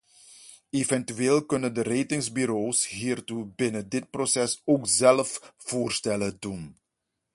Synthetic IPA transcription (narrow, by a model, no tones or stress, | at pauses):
evɛntyeːlˠkɵnəndəreːtɪŋzbyɾoːsɦiːrtubɪnədɪt̚prosɛsoːkzɛlfv̥oːrstɛlədun